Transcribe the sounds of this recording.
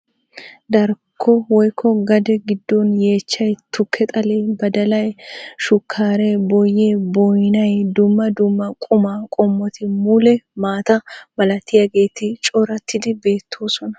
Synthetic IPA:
d̪ɐɾkʰːɔwɔjkʰːɔɡɐd̪ɛɡɪd̪ːonje̞ːt͡ʃːɐjt̪ʰʊkʰːɛt̪ʼɐlebɐd̪ɐlɐjʃʊkʰːaːɾebɔjːeːbɔjnɐjd̪ʊmːɐd̪ʊmːɐkʼʊmaːkʼɔmːɔt̪ʰɪmulɛmaːt̪ɐbɐlɐt̪ʰːɪjɐɡe̞ːt̪ɪt͡ʃʼɔɾɐt̪ʰːɪd̪ɪbe̞ːt̪ʰːo̞ːsɔnɐ̥

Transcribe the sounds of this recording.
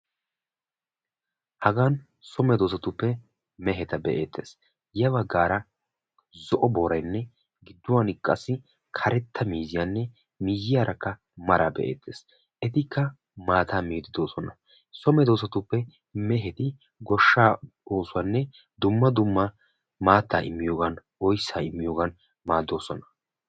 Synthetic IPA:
hɐɡaːn | sɔmɛd̪o̞ːs̬ɐt̪ʊpːɛ | mɛɦɛt̪ɐbɛʔḛːt̪ːe̞̰ːs | jɐbɐɡːaːɾɐ | zɔʔɔboːɾɐjnːɛ | ɡɪd̪ːʊwanɪkʼːɐ̰sːɪ | kʰɐɾɛt̪ʰːɐmiːzɪjaːnːɛ | miːjːɪjaːɾʔɐkːɐ | mɐɾɐbɛ̰ʔḛːt̪ʰːe̞̰ːs | ʔɛt̪ɪkʰːɐ | maːt̪ʰaːmiːd̪ɪd̪o̞ːsɔnɐ | sɔmɛd̪o̞ːsɐt̪ʊpːɛ | mɛɦɛt̪ɪ | ɡɔʃːaː | oːsʊwɐnːɛ | d̪ʊmːɐd̪ʊmːɐ | maːt̪ːaːɪ̰mːɪjoːɡɐn | ɔjsːaːɪmːɪjo̞ːɡɐn | maːd̪ːo̞ːsɔnɐ̥

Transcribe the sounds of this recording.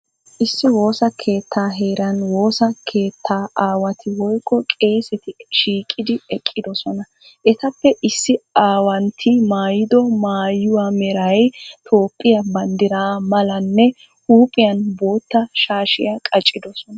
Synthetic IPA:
ʔɪsːɪwo̞ːsɐkʰe̞ːt̪ʰːaːɦeːɾɐnwo̞ːsɐkʰe̞ːt̪ʰːaːʔaːwɐt̪ʰɪwɔjkʰʼːɔkʼe̞ːsɛt̪ɪʃiːkʼːɪd̪ɪɛkʼːɪd̪ɔsɔnɐ | ʔɛt̪ɐpːɛʔɪsːɪaːwɐnt̪ʰɪmaːjɪd̪ɔmaːjʊwamɛɾɐjt̪ʰo̞ːpʼːɪjɐbɐnd̪ɪɾaːmɐlɐnːɛ | huːpʼɪjɐnbo̞ːt̪ːɐʃaːʃɪjɐkʼɐt͡ʃʼːɪd̪ɔsɔnɐ

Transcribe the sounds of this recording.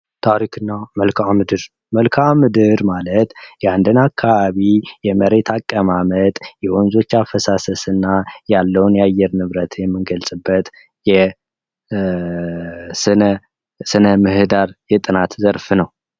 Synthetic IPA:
t̪ʰaɾikʰɨnːaməlkʰamɨd̪ɨɾ | məlkʰamːɨd̪ɨɾmalət̪jɛand̪ɨnakʰːaβaβijɛməɾe̞t̪ʰakʼːəmamət̪ʼjɛʔonzo̞t͡ʃːafəsasəsɨnːajalːəwnjɛajɛɾnɨβɾət̪ʰjɛmːɨnɡəlsʼɨbːət̪ | jɛ | sɨnə | sɨnəmɨhɨd̪aɾjɛt̪ʼɨnat̪zəɾfnəw

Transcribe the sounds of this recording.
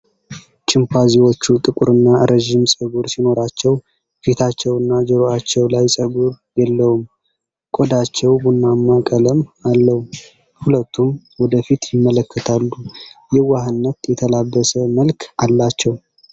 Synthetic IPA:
t͡ʃʼɪmpazewo̞t͡ʃːut̪ʼɨkʼuɾɨnːaɾeʒɪmsʼəɡuɾsino̞ɾat͡ʃːɛw | fit̪ʰat͡ʃːɛwɨnːad͡ʒɛɾoat͡ʃːɛwlajsʼəɡuɾ | jɛlːəwum | kʼod̪at͡ʃːɛwbunːamːakʼələmalːəhu | hulət̪ʰːum | wɔd̪əfit̪jɪmːələkʰːət̪ʰalːujɛwahɨnːət̪jɛt̪ʰəlabːəsəməlkʰalːat͡ʃːɛw

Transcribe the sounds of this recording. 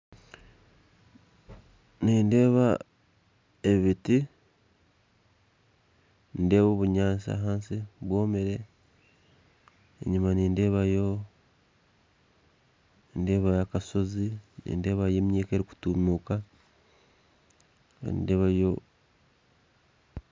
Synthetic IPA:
niːnde̞ːβa | e̞βiti | nde̞ːβoβuɲaːnsa̰ɦaːnsiβwo̞ːmeɾe̞ | ḛɲimaniːnde̞ːβajo̞ | ende̞ːβajakaso̞zinḭːnde̞ːβaje̞ːmɲiːkeɾiku̥tumuka | nḭnde̞ːβajo̞

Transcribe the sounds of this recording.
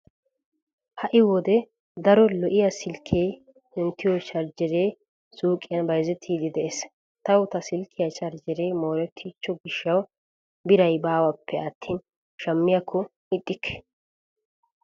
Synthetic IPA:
hɐʔɪwɔd̪ɛ | d̪ɐɾɔlɔʔɪjɐsɪlkʰeː | ɪnt̪ːɪjɔt͡ʃɐɾd͡ʒɛɾeː | suːkʼːɪjɐnbɐjzɛt̪ʰːiːd̪ɪd̪ɛʔeːs | t̪ɐwʊt̪ɐsɪlkʰːɪjɐt͡ʃɐɾd͡ʒɪɾeːmoːɾɛt̪ʰːiːt͡ʃːɔɡɪʃːɐw | bɪɾɐjbaːwɐpʰːɛɐt̪ʰːiːn | ʃɐmːɪjɐkʰːɔ | ɪt̪ʼːɪkʰːɛ̥

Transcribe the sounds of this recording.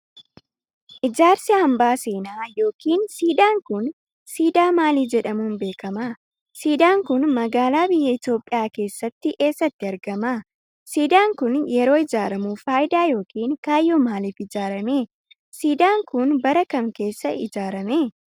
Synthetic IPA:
ʔɪd͡ʒaːɾsɪɐmbaːseːnaːjo̞ːkiːnsiːd̪aːŋkʊn | siːd̪aːmaːliːd͡ʒɛᶑɐmuːnbe̞ːkɐma | siːd̪aːŋkʊnmɐɡaːlaːbɪjːɛɪt̪jo̞ːpʼːɪjaːke̞ːsːɐt̪ːɪʔe̞ːsːɐt̪ːɪɐɾɡɐma | siːd̪aːŋkʊnjɛɾo̞ːɪd͡ʒaːɾɐmuːfaːjɪd̪aːjo̞ːkiːŋkaːjːoːmaːliːfɪd͡ʒaːɾɐmeː | siːd̪aːŋkʊnbɐɾɐkɐmke̞ːsːɐʔɪd͡ʒaːɾɐmeː

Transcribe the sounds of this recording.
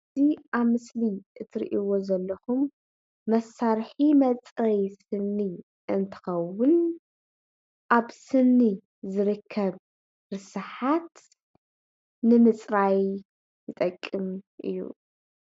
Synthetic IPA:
ɨziʔaβmɨsliʔɨt̪ʰɨɾḭʔiwo̞zɐlːɐxumː | ɐsaɾħimɐt͡sʼɾɐjsɨnːi | ʔɨnt̪ʰɨ̥xɐwʊn | ʔaβsɨnːi | zɨɾɨkʰːɐβ | ɾɨsɨħat̪ | nɨmɨt͡sʼɾaj | jɨt̪ʼɐkʼːɨmʔɨ̰jːṵ

